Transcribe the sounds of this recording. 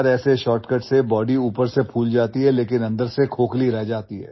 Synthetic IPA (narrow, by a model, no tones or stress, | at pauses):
ɾɛːseʃɔːʈkəʈsebɔːɖiuːpəɾsepʰuːld͡ʒaːt̪iɦɛleːkɪnɐ̃nd̪əɾsekʰoːkliɾɛɦd͡ʒaːt̪iɦɛ̰ː